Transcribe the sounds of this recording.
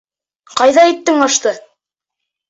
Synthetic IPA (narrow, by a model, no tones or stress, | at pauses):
qɑjðɑit̪ːɘŋɑʃt̪ɤ